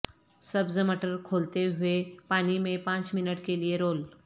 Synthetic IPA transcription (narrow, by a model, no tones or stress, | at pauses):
sɐbzmɐʈəɾkʰoːlt̪eɦʊepaːnimẽpãːt͡ʃmɪnəʈkelieɾoːl